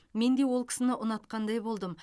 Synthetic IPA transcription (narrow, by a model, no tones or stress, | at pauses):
me̞nd̪e̞wo̞lˠkʲʰɪ̥sɪnɪʔʊnɑt̪qɑnd̪ɑjbo̞lˠd̪əm